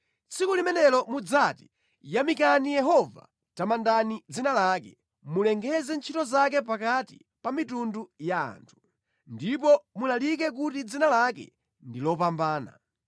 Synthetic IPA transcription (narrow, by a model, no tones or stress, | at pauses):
t͡sʰikulimɛnɛlɔmud͡zati̥ | jamikanijɛɦɔva̰ | tamandanid͡zinalakɛ | mulɛŋɡɛzɛnt͡ʃʰitɔzak̬ɛpakati | pamitunduja̰ːntʰu̥ | ndipɔmulalik̬ɛk̬utid͡zinalakɛ̰ | ndilɔpambaːna̰